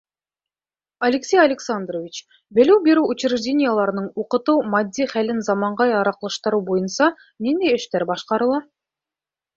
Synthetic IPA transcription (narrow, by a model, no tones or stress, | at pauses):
ɐlʲɪksʲejɐlʲɪksand̪rovʲit͡ɕ | belywbeɾuut͡ɕɾɪʒdʲenʲɪjəlˠɑɾɯnɤɴuqɤ̆t̪umɑd̪ʲːiχælɘnzɑmɑɴʁɑjɑɾɑqlˠɯʃt̪ɤɾubojɤnsɑ | nind̪ejeʃt̪eɾbɑʃqɑɾɯ̆lˠɑ